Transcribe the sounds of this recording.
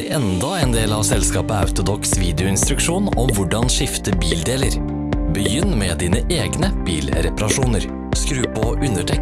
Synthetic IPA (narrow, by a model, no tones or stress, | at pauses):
ɾɛnd̪ɑɛeːnd̪eːlɑʋsɛlskɑːpəɑ̰ʉt̪ʊd̪ɔksʋiːd̪ɛʊɪnst̪ɾʉkʂuːnɔmʋʊɖɑnʃɪft̪əbiːld̪eːləɾ | bəjʏnmɛd̪iːnəʔeːɡnəb̥iːlɾɛpɑɾɑʂuːnəɾ | skɾʉːpʰɔʔʉnəʈʰɛ